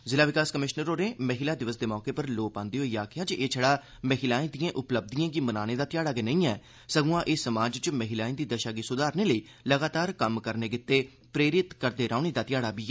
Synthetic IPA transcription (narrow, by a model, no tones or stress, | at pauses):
zɪlaːʋɪkaːskəmɪʃnəɾoːneːməɦɪlaːd̪ɪʋəsd̪eːmɔːkeːpəɾloːpãːnd̪eːɦoːiːaːkʰɪjaːd͡ʒeʔeːt͡ʃʰəɽaː | məɦɪlaːẽːd̪ijãːʔʊpləb̚d̪ijãːkɪmənaːneːd̪aːt̪ɪjaːɽaːɡenəĩːɛː | səɡũãːʔeːsəmaːd͡ʒt͡ʃməɦɪlaːẽːd̪iːd̪əʃaːɡiːsʊd̪aːɾneːləiː | ləɡaːt̪aːɾkəmkəɾneːɡɪt̪ːeː | pɾeːɾɪt̪kəɾd̪eːɾaːʊneːd̪aːt̪ɪjaːɽaːbiːɛː